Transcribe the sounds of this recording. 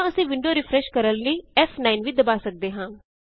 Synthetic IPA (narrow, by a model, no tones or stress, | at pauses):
əsĩːʋɪɳɖoːɾɪpʰɾɛːʃkəɾəlləiːɛːfʰnaːinʋiːd̪əbaːsək̚d̪eːɦãː